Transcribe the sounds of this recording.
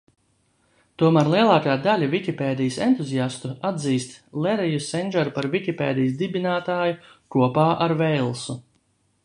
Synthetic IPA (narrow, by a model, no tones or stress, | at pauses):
t̪uɔmæːɾlˠiɛlˠaːkaːd̪alʲavikʲipeːd̪ijsɛnt̪uziast̪uad̪ziːst̪lɛɾijusɛnʲʒɛɾpaɾvikʲipeːd̪ijsd̪ibinaːt̪aːjukuɔpaːʔaɾvɛjlˠsu